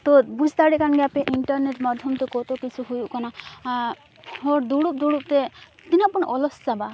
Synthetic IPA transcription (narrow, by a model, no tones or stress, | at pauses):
t̪ɔbuzʱt̪aɽɛkanɡɛapɛʔiɳʈɔɾneʈmɔd̪ʱjɔmt̪ɔkot̪ɔkit͡sʰuɦujuʔkana | hɔɾd̪uɽup̚d̪uɽup̚t̪e | t̪inapɔnʔɔlɔssaba